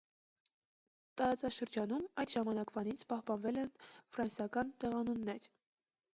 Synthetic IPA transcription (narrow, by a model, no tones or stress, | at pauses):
t̪ɑɾɑt͡sɑʃəɾd͡ʒɑnumɑjd̪ʒɑmɑnɑkvɑnit͡sʰpɑhpɑnvɛlɛnfɾɑnsjɑkɑnt̪ɛʁɑnunːɛɾ